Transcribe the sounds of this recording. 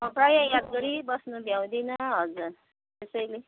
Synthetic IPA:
mʌprajʌ̃jad̪̚ɡʌɾibʌsnubʱjaw̃d̪inʌɦʌd͡zu | t̪esʌjle

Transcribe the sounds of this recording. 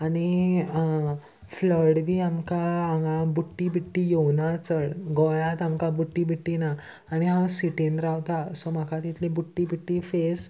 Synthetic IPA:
añi | fləɾɽbʱiːamkaːŋɡãbuʈːibiʈːijownat͡səɽɡɔjãt̪amkabuʈːibiʈːinaː | ɽ̃iɦãsiʈenɾaɦt̪asomakat̪it̪ʰlĩbuʈːibiʈːifes

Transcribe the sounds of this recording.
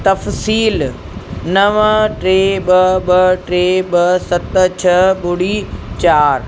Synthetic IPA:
t̪ɐfsiːl | nɐʋʈɾeːɓɐɓɐʈɾeːɓɐsɐt̪t͡ɕʰɐɓʊɽiːt͡ɕaːɾ

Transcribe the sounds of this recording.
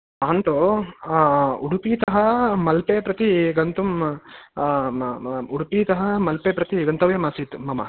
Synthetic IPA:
aːnt̪o | uɽupiːt̪ɐɦɐmɐlpeːpɾɐt̪iɡɐnt̪um | uɽupiːt̪ɐɦɐmɐlpeːpɾɐt̪iɡɐnt̪ɐʋjɐmasiːt̪mɐmɐ̰

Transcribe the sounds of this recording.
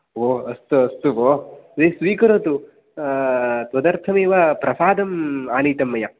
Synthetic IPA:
oːɐst̪uɐst̪uʋoːd̪esʋiːkɐɾoːt̪u | t̪ɐd̪ɐɾt̪ʰɐmeːʋapɾɐsaːd̪ɐmaːniːt̪ɐmːɐjɐ

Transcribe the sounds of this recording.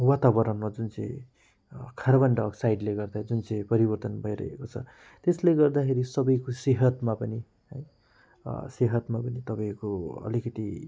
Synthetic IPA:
wat̪abʌɾʌnmʌd͡zunt͡sʌ̃j̃ | kʰaɾbʌɳɖʌksajɖleɡʌrd̪ad͡zunt͡sʌ̃j̃pʌɾibʌrt̪ʌnbʱʌjɾʌ̰ɦḛkot͡sʰʌ̰ | t̪esleɡʌrd̪akʰeɾisʌbʌjkoseɦʌt̪mapʌni | ɦʌj | seɦʌt̪mapʌnit̪ʌpaĩkoʌ̰likʌt̪i

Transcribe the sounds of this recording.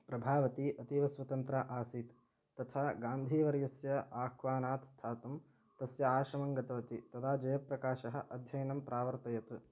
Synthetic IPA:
pɾɐbʱaːʋɐt̪iʔɐt̪iʋɐsʋɐt̪ɐnt̪ɾaːʔaːsiːt̪ː | ɐt̪ʰaːɡaːnd̪ʱiːʋɐɾjɐsjɐaːkʰʋaːnaːt̪st̪ʰaːt̪ɐm | t̪ɐsjɐaːʃɾɐmɐŋɡɐt̪ɐʋɐt̪it̪ɐt̪ʰaːd͡ʒɐjɐpɾɐkaːʃɐɦɐ̆ʔɐd̪ʱjɐjɐnɐmpɾʔaːʋɐɾt̪ɐjɐt̪

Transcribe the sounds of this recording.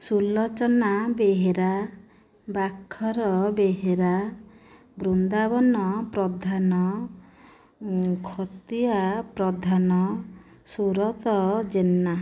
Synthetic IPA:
sulːɔt͡ʃɔnabeɦeɾa | bakʰːɔɾɔbeɦeɾa | bɾund̪abɔnɔpɾɔd̪ʱanɔ | kʰɔt̪iapɾɔd̪ʱanɔ | suɾɔt̪ɔd͡ʒenːa

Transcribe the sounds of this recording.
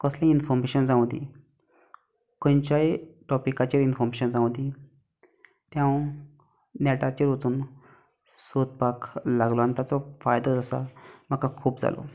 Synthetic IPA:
kəslẽinfɔɾmeɕənd͡zãwd̪ḭ | kõnt͡ɕaiʈɔpikat͡ɕeɾinfɔɾmeɕənd͡zãwd̪i | t̪jãw | nɛʈat͡ɕiɾʋət͡s̪uːn | sot̪̚paklaɡlɔant̪jat͡sɔfajd̪ɔd͡zəsa̰m̤əkakʰuːpd͡za̰lɔ̰

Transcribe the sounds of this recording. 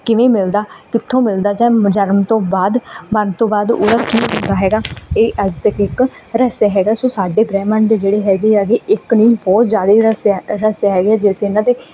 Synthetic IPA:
kɪʋẽːmɪld̪aːkɪt̪ʰːõːmɪld̪aːd͡ʒãːd͡ʒənmt̪õːbaːd̪mənt̪õːbaːd̪o̰ːd̪aːkiːɦʊ̃nd̪aːɦɛːɡaːeːʔəd͡ʒt̪əkɪk | ɾəseːɦɛːɡaːsoːsaːɖeːbɾɛːmənd̪eːd͡ʒeːɽeːɦɛːɡeːəɡeːɪknĩːbɔːt̪zjaːd̪eɾəseːɦɛːɡeaːd͡ʒeːseːɪnãːt̪eː

